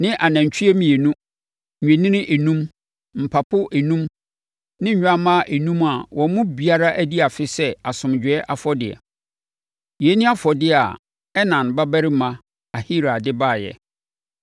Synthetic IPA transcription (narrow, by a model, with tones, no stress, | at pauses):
nɪ̃˦ʔa˨nã˨ɲ˨t͡ɕʰᶣi˦e˦mĩ˨je˨nũ˦ | ɲᶣɛ̃˨nɪ̃˦nɪ̃˦ʔe˨nũ˦m | m̩˨pʰa˨pʰʊ˦ʔe˨nũ˦m | nɪ̃˦a˦mã˦ʔe˨nũ˦ma˨wʔɔ̃˨˦mʊ̃˦bi˨a˦ɾa˦ʔæ˦di˦a˨fɪ˦sɛ˦a˨sʊ̃˨md͡ʑᶣɛ˦ʔa˨fɔ˦dɪ˨ɛ̰˨ | jɛ˨˦nĩ˦a˦fɔ˨dɪ˦a̰˨ | ɛ˦nã˨n˨ba˦bæ˦ɾɪ˦mã˨ | a˨hi˦ɾa˨dɪ˦baː˦˨jɛ̰˨